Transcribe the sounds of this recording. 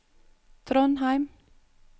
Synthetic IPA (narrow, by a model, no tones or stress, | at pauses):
t̪ʰɾɔnɦaɪm